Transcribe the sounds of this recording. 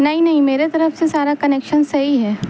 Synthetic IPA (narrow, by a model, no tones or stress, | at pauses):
nɐɦĩnɐɦĩmeːɾet̪ɐɾəfsesaːɾakɐneːkʃənsɐɦiɦɛː